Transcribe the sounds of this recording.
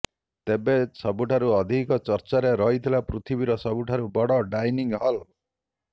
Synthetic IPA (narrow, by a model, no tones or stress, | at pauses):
t̪ebesɔbuʈʰaɾuɔd̪ʱikɔt͡ʃɔɾt͡ʃaɾeɾɔɦit̪ʰilapɾut̪ʰibiɾɔsɔbuʈʰaɾubɔɽɔɖajniŋɦɔl